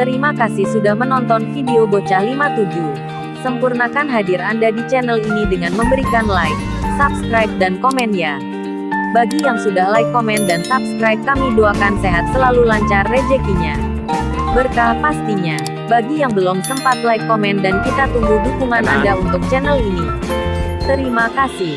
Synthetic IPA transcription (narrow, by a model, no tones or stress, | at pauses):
t̪əɾimakasihsudahmənɔnt̪ɔnfideobot͡ʃahlimat̪ud͡ʒu | səmpurnakanɦadiɾandadit͡ʃɛnəlinidəŋanməmbəɾikanlajk̚ | sap̚skɾajp̚dankɔmɛnija | baɡijaŋsudahlaikːomɛndansap̚skɾajp̚kamiduakanseɦat̪̚səlalulaɲt͡ʃarːed͡ʒɛkiɲa | bərkapast̪iɲa | baɡijaŋbəlʊmsəmpat̪laikːomɛndankit̪at̪uŋɡudukumana̰ndaunt̪ʊk̚t͡ʃɛnəlini | t̪əɾimakasɪh